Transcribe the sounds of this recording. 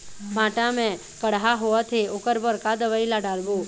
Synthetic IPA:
bʱãʈamẽ | kəɽɦaɦoət̪ʰeokəɾbəɾkad̪əʋailaɖaɾbũ

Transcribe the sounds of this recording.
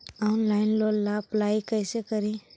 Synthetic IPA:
ɔnlaːɪnloːlːaplaːikəjsekəɾĩ

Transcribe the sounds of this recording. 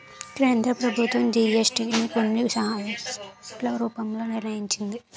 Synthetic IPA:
k̪ɾeɐnd̪ʱɐpɾɐbʱut̪ʋɐmd͡ʒiːesʈinikonːiʋsaːɐ | lɐɾuːpɐmloːniɾnɐjiɲt͡ʃind̪i

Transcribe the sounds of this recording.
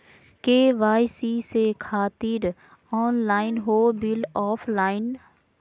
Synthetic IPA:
keːʋaːjsisekʰaːt̪ɪɾ | ɔːnlaːɪnɦoːbɪlɔːpʰlaːɪn

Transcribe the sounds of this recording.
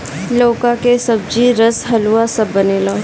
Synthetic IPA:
loːkakesɐb̚d͡ʒiɾɐsɦɐluasɐbːɐneːlaː

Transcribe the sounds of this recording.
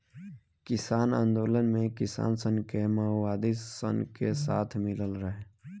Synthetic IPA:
kɪsaːnãːnd̪oːlənmẽkɪsa̰ːnsə̃ŋkemaɦwaːd̪isə̰nkesaːt̪ʰmɪləlɾəɦe

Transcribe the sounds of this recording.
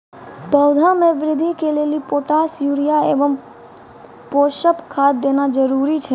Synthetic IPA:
bəwd̪ʱamẽʋɾɪd̪ʱikʰelelipoʈasjuɾijaeʋəm | poʃəpkʰad̪ːenad͡ʒəɾuɾit͡ʃʰe

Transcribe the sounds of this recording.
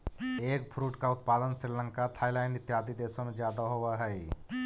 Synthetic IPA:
eːk̚pʰɾuːʈkaʊt̪̚paːd̪ənsɪɾlə̃ŋkat̪ʰaːɪlaːɪnɪt̪jaːd̪id̪eːsõmẽd͡ʒjaːd̪aɦowaɦɛj

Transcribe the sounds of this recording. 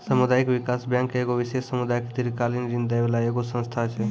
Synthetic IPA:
səmud̪aɪkʋɪkaːsbjãːŋkeɡoʋɪʃesːəmud̪ajɪkd̪iɾkalind͡ʒĩnd̪ajʋelaeɡosə̃nst̪ʰat͡ʃʰe

